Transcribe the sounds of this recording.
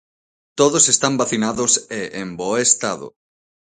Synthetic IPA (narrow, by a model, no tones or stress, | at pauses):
t̪oðosest̪ambaθinaðʊseʔembɔest̪aðʊ̰